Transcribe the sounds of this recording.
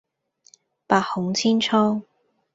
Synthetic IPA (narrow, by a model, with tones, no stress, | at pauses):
paː˧t̚hʊ˨˥ŋt͡sʰiː˥nt͡ʃʰɔː˥ŋ